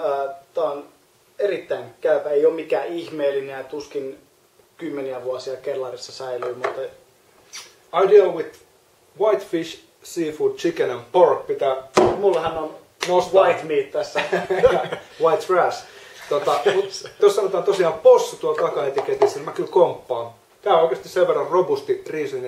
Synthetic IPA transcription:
əːt̪æˑon | erit̪ːæinkæypæeiommikæːihmeːlːineæt̪uskin | kymːeniæʋuɑsiɑkelːɑrisːɑsæilyːmut̪ːɑ | ɑidiwið | wɑit̪fiʃ | siːfuːd̥̚t͡ʃikenæmporkpit̪æmt̪mulːɑhænon | nousʋɑit̪miːt̪t̪æsːæ | ʋɑit̪fræst̪ot̪ɑmut̪t̪ost̪sɑnot̪ɑːnt̪osiɑːmposːut̪uɑlt̪ɑkɑet̪iket̪isilmækylkompːɑːn | t̪æːoikest̪iseʋʋerːɑrrobust̪iriːsyn

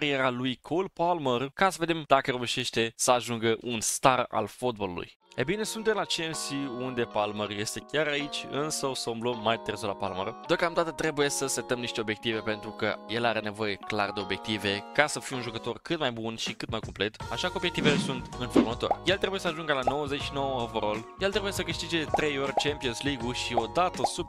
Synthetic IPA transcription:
aɾijeɾalujkʰoulpalmərkasəve̞d̪e̞md̪̥akəɾouʃe̞ʃt̪e̞səaʒuŋɡəʔunst̪ara̰lfot̪̚bolṵlṵj | e̞bine̞sunt̪emlat͡ʃensiund̪e̞palmərje̞st̪e̞kʲaɾait͡ʃʲɨnsəwsoumlomːaj̪t̪ɨrzolapalmə̰rd̪eo̞kamd̪at̪ət̪ɾe̞buje̞səset̪əmniʃt̪e̞o̞bje̞k̚t̪ive̞pe̞nt̪ɾukə̰je̞laɾe̞ne̞vo̞je̞kla̰rd̪e̞o̞bje̞k̚t̪ive̞kasəfijunʒukət̪o̞rkɨt̪majbunʃikɨt̪majkomple̞t̪aʃakəobjek̚t̪ivelesunt̪ɨnformət̪o̞̰rʲje̞lt̪ɾebuje̞səaʒuŋɡəlano̞wəzet͡ʃʃino̞wəəvəɾoljelt̪ɾe̞bujesəkɨʃt̪id͡ʒe̞d̪t̪ɾe̞jo̞rʲt͡ʃempionsliɡuʃio̞d̪at̪əsub̚

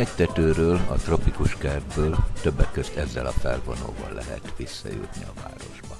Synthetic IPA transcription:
ɛct̪ɛt̪øːɾøːlɒt̪ro̞pikuʃkɛrd̪bøːlt̪øbːɛkːøzt̪ɛzːɛlɒfɛlvo̞no̰ːvɒlːʔɛɦɛ̰t̪ʋisːɒjṵt̪niɒvaːɾo̞ʒbɒn

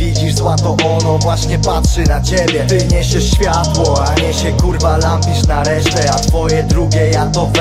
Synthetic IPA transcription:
vʲid͡ʑiʐzwat̪ɔʔɔnɔvwaɕɲɛpatʂɘnat͡ɕebʲjɛt̪ɪɲɛɕɛʂɕfʲjat̪wɔaɲɛɕɛkuɾvalampʲiʂnaɾɛʂt̪ɛat̪fɔjɛd̪ɾuɡʲɛjat̪ɔv

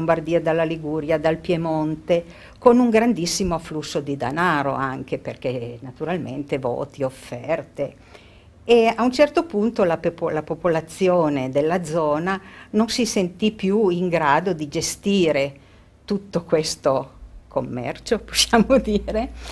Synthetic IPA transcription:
ombard̪iːad̪alːaliɡuːɾjad̪alpjemont̪e | konuŋɡɾand̪isːimoaflusːod̪id̪a̰naːɾo̰aŋk̟eperkenat̪uɾalmḛnt̪evo̰ːt̪iofːɛrt̪e | eaunt͡ʃɛrt̪opunt̪olaplapopolat̪sːjoːned̪elːad̪zɔːnanonsisent̪ipjuiŋɡɾaːd̪od̪id͡ʒest̪iːɾe | t̪ut̪ːokwest̪okʰo̰mːɛ̰rt͡ʃopo̥sːjaːmod̪iːɾe

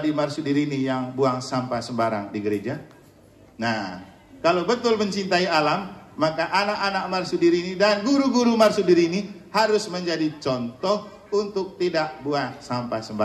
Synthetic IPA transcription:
dimarsudiɾinijaŋbuaŋsampasəmbaɾa̰ŋdiɡəɾed͡ʒa | na | kalawbət̪ʊlməɲt͡ʃint̪aialamːakaʔanakanak̚marsudiɾinidanɡuɾuɡuɾumarsudiɾinihaɾʊsməɲd͡ʒadit͡ʃɔnt̪ɔh | unt̪ʊk̚t̪idak̚buaŋsampasəmba

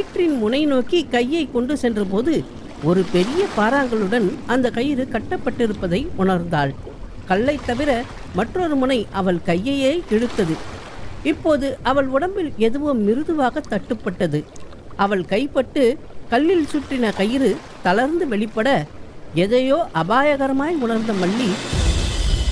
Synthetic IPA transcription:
eːʈrɪnmʊnɐɪnoːkikɐjːɐɪkːɔɳɖɯsɛndrɐp̬oːðɯ | ɔɾɯpɛɾɪjɐpaːɾaːŋɡɐɭɯɽɐnɐnd̪ɐkɐjɪɾɯkɐʈːɐpːɐʈːɪɾɯpːɐðɐɪʔʊɳɐɾnd̪aːɭ | kɐlːɐɪt̪ːɐʋɪɾɐ | mɐʈrɔɾɯmʊnɐɪʔɐʋɐɭkɐjːɐjeːʔɛɽɯt̪ːɐðɯ | ɪpːoːðɯʔɐʋɐɭʊɽɐmbɪlɛðɯʋɯmːɪɾɯðɯʋaːɣɐt̪ːɐʈːɯpːɐʈːɐðɯ | ʔɐʋɐɭkɐɪpːɐʈːɯ | kɐɭːɪlsʊʈrɪnɐkɐjɪɾɯ | t̪ɐlɐɾnd̪ɯʋɛɭɪpːɐɽɐɛðɐjoːʔɐbaːjɐɣɐɾɐmaːjʊɳɐɾnd̪ɐmɐɭːi

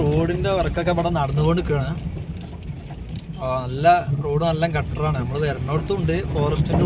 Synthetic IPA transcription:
roːɽinde̞ʋɐrɐkːɐkːepɐɽɐnɐɽɐnːuɣoɳɖukːaːɳɨ | nɐlːɐro̞ːɽumɐlːaːŋkɐʈːɐraːɳɨnɐmːɐɭuðɐɾɐɳːoːɽut̪ːuuɳɖɨfo̞ːrɐstin

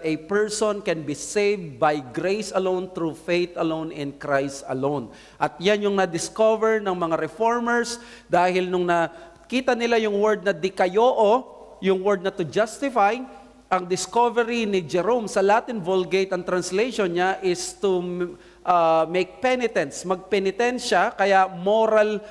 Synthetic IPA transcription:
t̪ɛpɛɹsonkɛnbisejvd̪̚bajɡɾejsɐlõwnt̪ɾufejt̪ɐlõwnɪ̃nkɹajst̪ɐ̰lõwn | ʔɐt̪̚janjʊŋnɐd̪ɪskovɛɹnɐŋmɐŋaɾɛfoɹmɛɹs | d̪aːhɪlnʊŋnɐ | kiːt̪ɐnɪlajʊŋwɛɹd̪̚nɐd̪ɪkɐjoːʔo | jʊŋwɛɹd̪̚nɐt̪ʊd͡ʒast̪ɪfaj | ʔɐŋd̪ɪskovɛɾɪnɪd͡ʒɛɾomsɐlat̪ɪnvolɡejt̪ɐŋt̪ɾɐnslejʃonɲaʔɪst̪u | ʔamejk̚pɛnɪt̪ɛ̃nt̪smɐɡ̚pɛnɪt̪ɛnʃɐkɐjamoɾɐl

